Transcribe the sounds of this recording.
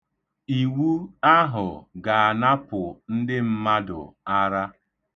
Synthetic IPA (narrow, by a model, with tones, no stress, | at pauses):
i˨wu˦a˦ɦʊ˨ɡa˨a˨na˦pʊ˨n̩˦dɪ˦m̩˦ma˦dʊ̰˨a˦ɾa˦